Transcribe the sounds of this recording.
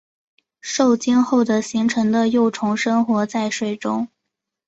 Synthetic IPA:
ʂo˥˩ʊt͡ɕɛ˥nxo˥˩ʊd̪ə˩ɕi˧˥ŋʈ͡ʂʰɤ˧˥ŋd̪ə˧jo˥˩ʊʈ͡ʂʰʊ˧˥ŋʂɤ˥nxwɔ˧˥t͡sa˥˧ɪʂwe˥˩ɪʈ͡ʂʊ˥ŋ

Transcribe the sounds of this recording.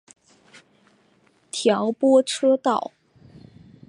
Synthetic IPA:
t̪ʰjɑ˧˥ʊpwɔ˥ʈ͡ʂʰɤ˥t̪ɑ˥˩ʊ

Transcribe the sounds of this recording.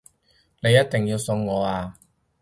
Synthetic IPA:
ne˨˧jɐ˥t̚t̪ɪ˨˩ŋjiː˧wsɵ˧ŋːɔː˨˧aː˧

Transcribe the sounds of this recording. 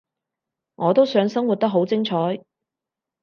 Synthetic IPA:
ŋʔɔː˨˧t̪o˥wsœː˨˧˥ŋsɐ˥ŋwu˨t̚t̪ɐ˥k̚ɦo˨˥wt͡sɪ˥ŋt͡sʰɔː˨˥j

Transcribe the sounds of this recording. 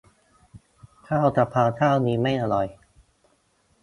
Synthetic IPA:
kʰaː˥˩˨wt͡ɕa˨˩pʰːaː˧t̪ʰaː˥˩wniː˧˦˥ma˥˩jʔa˧ɾɔ˨˩j

